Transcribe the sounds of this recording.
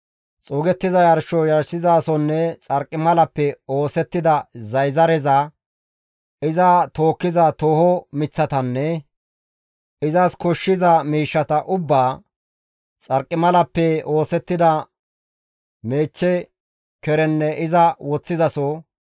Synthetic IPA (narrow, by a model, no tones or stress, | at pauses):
t͡sʼoːɡɛt̪ːɪzɐjɐɾʃɔjɐɾsɪzaːsɔnːɛt͡sʼɐɾkʼːɪmɐlɐpːɛo̞ːsɛt̪ːɪd̪ɐzɐjzɐɾɛzɐ | ɪzɐt̪o̞ːkːɪzɐt̪oːhɔmɪt͡sːɐt̪ɐnːɛ | ɪzɐskɔʃːɪzɐmiːʃːɐt̪ɐʔʊbːaː | t͡sʼɐɾkʼːɪmɐlɐpːɛo̞ːsɛt̪ːɪd̪ɐ | me̞ːt͡ʃːɛ | kɛɾɛnːɛʔɪzɐwɔt͡sːɪzɐsɔ